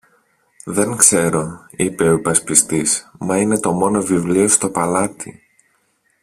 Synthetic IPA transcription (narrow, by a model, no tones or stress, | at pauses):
ðe̞ŋkse̞ɾo̞ipe̞oipɐspist̪ismɐine̞t̪o̞mo̞no̞vivlio̞st̪o̞pɐlɐt̪ḭ